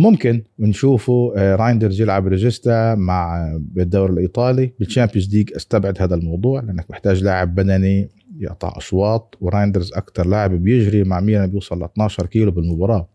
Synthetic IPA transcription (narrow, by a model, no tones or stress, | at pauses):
mʊmkɪnwɪnʃuːfuɾˤɑjnd̪ɑɾzjɪlʕabɾɪʒɪst̪amaʕɪd̪ːawɾɪlʔiːt̪ˤɑːlibɪlt͡ʃaːmpɪzd̪iːɡʔast̪abʕɪd̪haːd̪almɑwd̪ˤuːʕlɪʔanːak̚mɪħt̪aːʒlaːʕɪbːad̪ani | jɪ̰ʔt̪ˤɑ̰ʕʔɑ̰ʃwɑːt̪̚ˤwɾˤɑjnd̪ɑɾzʔa̰kt̪ɑɾˤlaːʕɪbibjɪʒɾimaʕmiːɾabjuːsˤɑlːɪt̪nɑːʃɑɾˤkiːlʊbɪlmʊbɑɾˤɑː